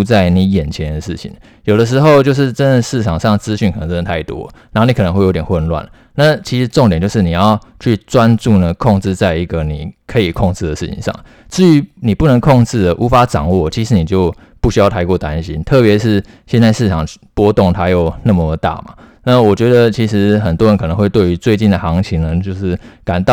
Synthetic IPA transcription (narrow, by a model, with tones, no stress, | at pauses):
t͡sa˥˩ɪni˧˥jɛ˨˩nt͡ɕʰjɛ˧˥nd̪ə˨ʂɻ̩˥˩t͡ɕʰḭ˨˩˦ŋ | jo˨˩ʊd̪ə˦ʂ̬ɻ̩˧˥xo˥˧ʊt͡ɕjo˥˧ʊʂ̬ɻ̩˥˧ʈ͡ʂə˥nd̪ə˨ʂɻ̩˥˩ʈ͡ʂʰɑ˨˩ŋʂɑ˥˩ŋt͡sɹ̩˥ɕy˥˩nkʰə˨˩˧ŋʈ͡ʂə˥nə˧t̪ʰa˥˩ɪt̪wɔ̰˦˩na˧˥o˥˧ni˧kʰn˧˦ŋxwjo˧˥t̪jxwə˥˧nlwa̰˥˩nə˩ | na˥˩t͡ɕʰi˧˥ʂ̩˧˥ʈ͡ʂŋt̪jnt͡ɕjo˥˧ʊʂɻ̩˥˩ni˨˩jɑ˥˧ʊt͡ɕʰy˥˩t͡swa˦nt͡su˥˩nə˩kʰɔ˥˧ŋʈ͡ʂɻ̩˥˧t͡sa˥˩ɪi˧˦˥ɡə˨ni˨˩kʰɤ˧˥i˨˩kʰɔ˥˧ŋt͡sɻ̩˥˩d̪ə˩ʂɻ̩˥˩t͡ɕʰḭ˨˦ŋʂɑ̰˥˩ŋ | t͡sɻ̩˥˩y˧˥ni˨˩pu˥˩nə˧˥ŋkʰɔ˥˧ŋʈ͡ʂɻ̩˥˩d̪ə˩ʔu˧˥fa˥ʈ͡ʂɑ˨˩ŋwɔ˥˩t͡ɕʰi˧˥ʂɻ̩˧˥ni˨˩t͡ɕjo˥˧ʊ | pu˥˩ɕy˥jɑ˥˩ʊt̪ʰa˥ɪkwɔ˥˩t̪a˦˥nɕḭ˥nt̪ʰɤ˥˩pjɛ˧˥ʂɻ̩˥˩ɕjɛ˥˧nt͡sa˥˧ɪʂɻ̩˥˩ʈ͡ʂʰɑ˨˩ŋpwɔ˥t̪ʊ˥˨ŋt̪ʰa˥jo˥˩ʊna˥˩mə˧˩˧t̪a̰˥˩ma̰˩na˥˩wɔ˨˩t͡ɕɥɛ˧˥d̪ə˨t͡ɕʰi˧˥ʂɻ̩˧˦xə˨˩nt̪wɔ˥ɻə˧nkʰnə˧˦ŋxwe˥˧ɪt̪we˥˩ɪy˧˥t͡swe˥˧ɪt͡ɕi˥˩nd̪ə˩xɑ˧˥ŋt͡ɕʰi˧˥ŋnə˧t͡ɕjo˥˧ʊʂɻ̩˥˩ka˨˩nt̪ɑ˥˧